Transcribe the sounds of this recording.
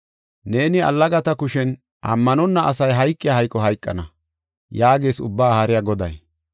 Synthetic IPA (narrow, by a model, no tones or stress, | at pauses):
ne̞ːnɪɐ̰lːɐɡɐt̪ɐkʊʃɛn | ʔɐ̰mːɐnɔnːɐʔɐsɐjɦɐjkʼːɪjaːhɐjkʼːɔɦɐjkʼːɐnɐ | jaːɡe̞ːsʊ̰bːaːhɐɾɪjaɡɔd̪ɐ̰j